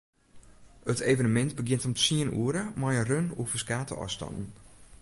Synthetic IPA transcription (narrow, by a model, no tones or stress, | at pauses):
ətʰeːvənəmɛntbəɡɪntomsiənṵəɾəmajənrønufəskaːtə̰ʔɔ̰stɑ̰ndn̩